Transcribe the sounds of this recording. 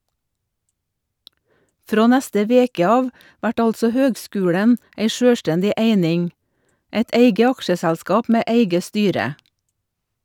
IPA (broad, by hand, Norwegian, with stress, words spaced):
ˈfɾoː ˈnɛstə ˈʋeːkə ˈɑːʋ ˈʋæʈ ˈɑltsɔ ˈhøːɡˌskʉːɽən ˈeɪ ˈʃøːˌstɛndɪ ˈʔeɪnɪŋ ˈæɪt ˈæɪɡə ˈɑkʃəsɛlˌskɑːp ˈmeː ˈæɪɡə ˈstyːɾə